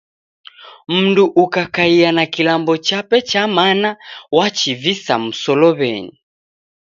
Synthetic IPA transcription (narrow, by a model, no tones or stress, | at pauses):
m̩nduʔukakaianakilambɔt͡ʃapɛt͡ʃamanawat͡ʃivisa̰m̩sɔlɔβɛ̰ni